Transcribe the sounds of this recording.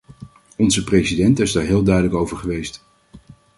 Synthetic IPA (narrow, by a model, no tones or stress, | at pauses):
ɔnzəprejsidɛntɪzdaːɹɦɪːlˠdœɥdələkowvəɹχəʋejst